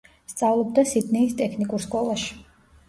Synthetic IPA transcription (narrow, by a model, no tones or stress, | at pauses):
st̪sʼavlˠɔb̚d̪asid̪nɛist̪ʼɛkʰnikʼuɾskʼɔlˠaʃi̥